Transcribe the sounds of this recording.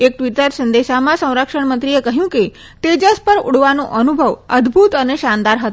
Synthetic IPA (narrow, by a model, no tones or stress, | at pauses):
ek̚ʈʋiʈəɾsənd̪eɕamasə̃w̃ɾakʂəɳmənt̪ɾijekəɦjũːke | t̪ed͡ʑəspəɾṵɽʋanoʔənubʱəʋəd̪ʱbʱut̪əneɕand̪aɾɦət̪o